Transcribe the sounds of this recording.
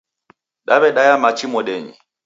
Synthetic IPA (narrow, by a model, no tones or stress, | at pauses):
ɗaβɛɗajamat͡ʃʰimɔɗɛɲḭ